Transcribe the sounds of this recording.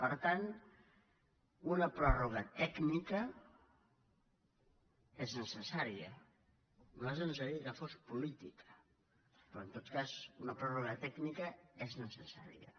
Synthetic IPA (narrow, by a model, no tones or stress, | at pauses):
pəɾt̪an | unɐpɾɔruɣət̪ɛknikə | eznəsəsaɾiə | noazəns̬əɾikəfospulit̪ikʰə̥ | pɾɔent̪ot̪kazunɐpɾɔruɣət̪ɛknikəeznəsəsa̰ɾḭə̰